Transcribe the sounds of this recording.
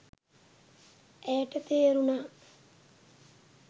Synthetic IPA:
ʔejəʈət̪eːɾunaː

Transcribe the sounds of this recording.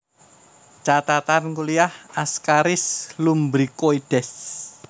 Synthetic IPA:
t͡ʃat̪at̪ankuliahaskaɾɪslumbɾikoiɖ̥ɛs

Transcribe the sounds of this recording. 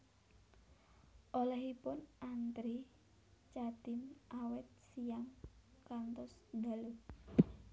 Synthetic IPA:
ʔolɛɦipʊnʔant̪ɾi | t͡ʃad̪̥ɪmʔawɛt̪̚sijaŋkant̪ɔsd̪a̤lu

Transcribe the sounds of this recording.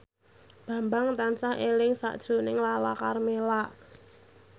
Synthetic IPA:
b̥ä̤mbaŋt̪ansaʔelɪŋsa̰ʔd̥ʒ̥ɾo̤nɪŋlalakarmelaʔ

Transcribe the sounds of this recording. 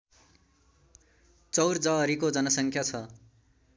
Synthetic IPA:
t͡sʌwrd͡zʌʌɾikod͡zʌnʌsʌŋkʰjat͡sʰʌ

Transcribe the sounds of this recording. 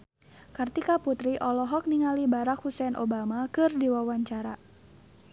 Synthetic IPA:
kɨrt̪ikaput̪ɾiʔɔlɔɦɔk̚niŋalibaɾakhusɛnʔo̰bamakɨrdiwawaɲt͡ʃaɾa

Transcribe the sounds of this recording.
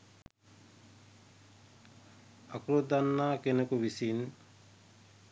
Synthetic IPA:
akɾod̪anːaːkenekuʋisin

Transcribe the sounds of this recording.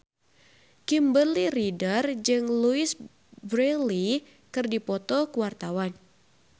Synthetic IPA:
kimbəliɾidərd͡ʒɨŋluɪs | bɾeli | kɨrdipɔt̪ɔkəwart̪awan

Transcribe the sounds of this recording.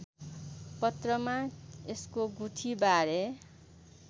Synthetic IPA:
pʌt̪rʌmaeskoɡuʈʰibaɾe

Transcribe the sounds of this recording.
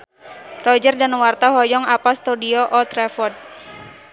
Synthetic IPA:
rɔd͡ʒərdanwart̪aɦɔjɔŋapast̪udiɔʔɔt̪ɾɛfɔrd̚

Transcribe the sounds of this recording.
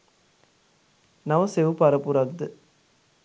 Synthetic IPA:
nɐʋɐseʋupɐɾɐpuɾaɡd̪ɯ

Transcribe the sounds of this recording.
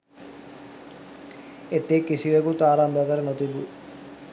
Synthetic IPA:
et̪ːekːisiʋɐkut̪aːɾambʱɐkɐɾɐnot̪ibu

